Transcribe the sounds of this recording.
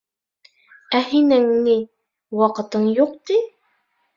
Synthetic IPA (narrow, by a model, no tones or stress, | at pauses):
æhinæŋni | wɑqɤ̆t̪ɤɴjuq̚t̪i